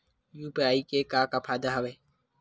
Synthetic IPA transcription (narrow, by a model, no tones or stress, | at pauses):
juːpiaːiːkeːkaːkaːpʰaːd̪aɦəʋeː